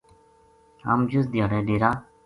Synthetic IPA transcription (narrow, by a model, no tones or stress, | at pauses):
a̰ːmd͡ʒusd̪ijaːɽeːɖeːɾaː